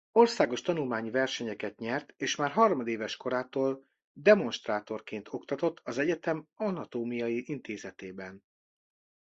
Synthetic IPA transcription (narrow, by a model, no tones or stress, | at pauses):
o̞rsaːɡo̞ʃt̪ɒnulmaːɲivɛrʃɛɲɛkɛt̪ɲɛrt̪eːʃmaːrɦɒrmɒd̪eːvɛʃko̞ɾaːt̪oːl | d̪ɛmo̞nʃt̪raːt̪o̞rkeːnt̪ʰo̞kt̪ɒt̪o̞t̪ʰːɒzɛɟɛt̪ɛmɒnɒt̪oːmijɒjiʔint̪eːzɛt̪eːbɛn